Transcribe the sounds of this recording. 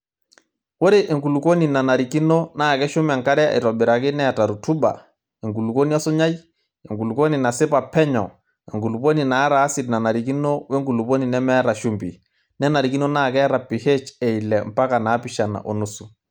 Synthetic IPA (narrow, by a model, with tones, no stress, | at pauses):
wo˦ɾe˨ʔe˨ŋku˨lu˨ko˦ni˨na˨na˨ɾi˨ki˦no˦na˦˨kɛ˦ʃʊ˦ma˨ŋka˦ɾɛ˦a̰˨ɪ˨tɔ˨bɪ˨ɾa˨kɪ˦nɛ˦a˨ta˨ɾu˨tu˦ba̰˨ | e˨ŋɡu˨lu˨ko˦ni˦a˦sʊ˦ɲa˦j | e˨ŋɡu˨lu˨ko˦ni˨na˨sɪ˦pa˨pɛ˦ɲɔ˨ | ɛ˨ŋɡu˨lu˨po˦ni˨naː˨˦ɾaː˨˦sɪ˨dna˨na˨ɾi˨k̬i˦no˦wɛ˦ŋɡu˨lu˨po˦ni˨nɛ˦mɛ˦ɾa˨ʃu˦mbḭ˨ | nɛ˦na˨ɾi˨ki˦no˦na˦˨kɛ˦ɾa˨pːi˨he˦t͡ʃɛ˨i˨lɛ˨m̩pa˦ka˨naː˨˦pɪ˦˨ʃa˨na̰˨ʔo˨nu˦su˨